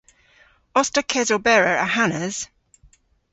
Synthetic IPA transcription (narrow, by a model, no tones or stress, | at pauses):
ɒstəkʰɛzəbɛɹəɹə̰ɦanəz̥